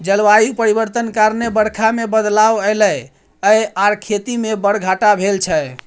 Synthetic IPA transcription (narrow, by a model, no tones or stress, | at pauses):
d͡ʒəlʋajupəɾibəɾt̪ənkaɾnebəɽkʰamebəd̪lawələj | əjaɾkʰet̪imebəɽ̤ɡʱaʈabʱelt͡ʃʰə